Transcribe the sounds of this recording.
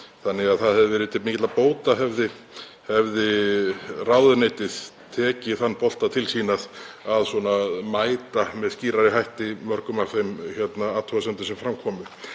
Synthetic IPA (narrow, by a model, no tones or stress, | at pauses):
θanːɛaðθaðhɛvðɪvɛːɾɪt̪ʰːemiːcɪt̪laðapoːwt̪aɦɛvðɪ | hɛvðɪ | rawðʏnejt̪ɪðt̪ʰɛːcɪθanːpɔl̥t̪at̪ʰɪlsiːnaðaðswɔnamaːjt̪amɛðsciːɾaɾɪɦajht̪ɪmœɾkʏmawθejmçɛt̪naaːt̪ʰɔɣasɛmnt̪ʏ̥sɛmfɾamkʰɔːmʏ